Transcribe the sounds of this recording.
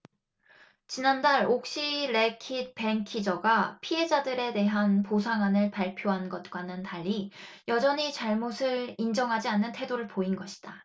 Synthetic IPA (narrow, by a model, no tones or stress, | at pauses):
t͡ɕinandaɭok̚ɕ͈iɾe̞kʰid̚pe̞ŋkʰid͡ʑʌɡapʰie̞d͡ʑadɯɾe̞de̞ɦanposʰaŋɦwanɯɭpaɭpʰjoɦanɡʌt̚k͈wanɯntaʎːi | jʌd͡ʑʌɲit͡ɕaɭmosʰɯɾind͡ʑʌŋɦad͡ʑianːɯntʰe̞doɾɯɭpoinɡʌɕʰi̥d̥a